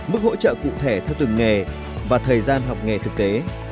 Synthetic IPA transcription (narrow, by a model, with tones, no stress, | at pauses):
mɨ˦˥k̚ho̰˧˥t͡ɕə̰ː˧˨kṵ˧˨t̪ʰe˧˩t̪ʰɛ˧wt̪ɨ˨˩ŋŋe˨˩ | vaː˨˩t̪ʰəː˨˩jzaː˧nɦa˨˩wk͡p̚ŋe˨˩t̪ʰɨ˨˩k̚t̪e˨˦